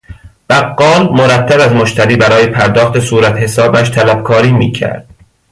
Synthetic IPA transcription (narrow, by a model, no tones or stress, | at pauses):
b̥æɡːɒːlmoɾæt̪ʰːæbæzmoʃt̪ʰæɾiːbæɾɒːjepʰæɾd̪ɒːxt̪e̞suːɾæt̪he̞sɒːbæʃt̪ʰælæb̚kʰɒːɾiːmiːcʰæ̰ɾd̪̥̚